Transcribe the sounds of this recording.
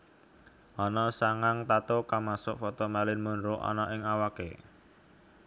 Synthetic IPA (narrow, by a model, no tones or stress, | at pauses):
ʔɔnɔsaŋaŋt̪at̪okamasʊʔfɔt̪omalɪnmunɾʊʔɔ̰nɔʔɪŋawakḛ